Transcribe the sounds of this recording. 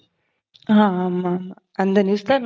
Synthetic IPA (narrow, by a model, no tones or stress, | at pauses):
ɦãːma | ɐnd̪ɐniʋst̪an